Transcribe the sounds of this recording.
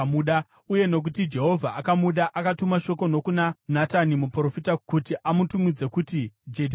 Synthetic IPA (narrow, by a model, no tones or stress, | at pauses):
muɗa | uje̞no̞k̬utid͡ʒe̞ɦo̞vʱaʔakamuɗaʔakatumaʃo̞ko̞no̞kunanatanimupro̞fitakutiʔamutumid͡ze̞kutid͡ʒed